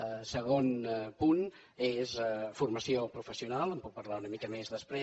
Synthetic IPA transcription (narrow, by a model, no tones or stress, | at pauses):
səɣonpun | ezfurməsiopɾufəsiunalˠəmpuk̚pəɾlaunəmikəmezðəspɾe